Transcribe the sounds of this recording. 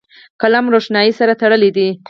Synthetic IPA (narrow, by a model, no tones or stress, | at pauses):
kalamɾoʂnɑjisaɾat̪aɽəlid̪i